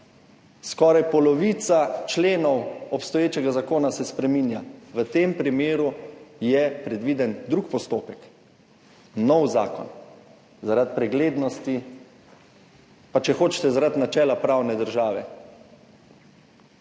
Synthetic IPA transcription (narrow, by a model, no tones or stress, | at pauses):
skɔːɾajpɔlɔʋiːt̪sat͡ʃleːnɔwɔpst̪ɔjeːt͡ʃɛɡazakoːnasɛspɾɛmiːnjaʋət̪eːmpɾimeːɾujɛpɾɛd̪ʋiːd̪ɛnd̪ɾukpɔst̪oːpɛk | nɔwza̰ːkɔ̰n | zaɾat̪̚pɾɛɡleːd̪nɔst̪i | pat͡ʃɛxoːt͡ʃt̪ɛzaɾat̪nat͡ʃɛːlapɾawnɛd̪əɾʒaːʋɛ̰